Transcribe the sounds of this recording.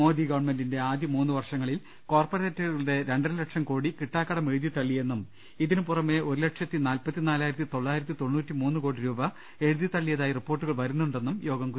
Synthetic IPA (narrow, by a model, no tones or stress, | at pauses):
mo̞ːd̪iɡɐʋɐɳme̞ndinde̞aːd̪jɐmuːnːuʋɐrʂɐŋːɐɭil | ko̞ːrpɐɾe̞ːtːɐɐuuɽe̞ɾe̞ɳɖɐlekʂɐmko̞ːɽikiʈːaːkːɐɽɐme̞ɻuðjiɐt̪ɐɭːije̞nːum | iðinɨpurɐme̞ʔo̞ɾulekʂɐt̪ːinaːlpɐt̪ːinaːlaːjɾɐt̪ːit̪o̞ɭːaːjiɾɐt̪ːit̪o̞ɳːuːtːimuːnːuko̞ːɽiɾuːbɐ | e̞ɻuðjɐt̪ɐɭːijɐðaːjiripːo̞ːrʈːuɣɐɭʋɐɾunːuɳɖe̞nːumjo̞ːɡɐmku